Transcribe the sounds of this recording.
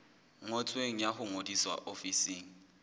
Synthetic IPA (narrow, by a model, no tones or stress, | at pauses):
ŋɔt͡sʰʼweŋ̩jaχʊŋodiswa̰ʔofisiːŋ̩